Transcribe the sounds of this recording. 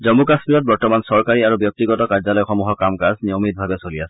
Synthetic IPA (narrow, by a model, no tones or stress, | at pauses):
zɔmukaspiɹɔt̚bɔɹtɔmansɔɹkaɹiaɹubjɔk̚tiɡɔtɔkaɹzɔlɔjxɔmuɦɔkamkasnijomit̚bʱabɛsoliasɛ